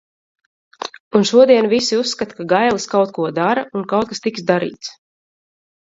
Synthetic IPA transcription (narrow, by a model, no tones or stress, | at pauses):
unʃuɔd̪iɛnvisiusːkat̪kaɡajlˠiskawt̪̚kuɔd̪aɾaunkawt̪̚kast̪iksd̪aɾḭːt̪s